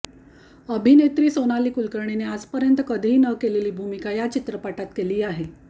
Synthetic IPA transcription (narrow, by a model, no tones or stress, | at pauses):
əbʱinet̪ɾiːsonaliːkulkəɾɳinead͡zpəɾjənt̪əkəd̪ʱiːnəkeleliːbʱumikajat͡ɕit̪ɾəpaʈat̪keliːaɦe